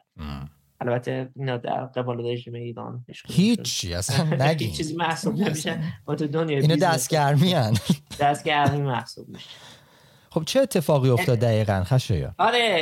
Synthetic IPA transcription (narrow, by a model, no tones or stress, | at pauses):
ʔælbæt̪ʰːeinɒd̪æ̰ɾɡebɒːleɾeʒiːmeiːɾɒ̰nhiʃhit͡ʃʰːḭːæ̰sænnːæt͡ʃʰiːziːmæhsubnemiʃænmɒt̪ʰud̪onjɒːinɒːd̪æst̪̚ɟæɾmiænd̪̥æst̪̚ɡæɾmimæhsub̚niʃæ | χo̞b̥̚t͡ʃʰeːt̪ʰːe̞fɒːɣiːot̪ɒːd̪ːæɣiːɣænxæʃḛjɒ̰ːɒɾe